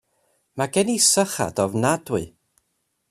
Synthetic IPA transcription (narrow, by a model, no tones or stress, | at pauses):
maɡɛnisəχa̰dɔvnadwɨ̰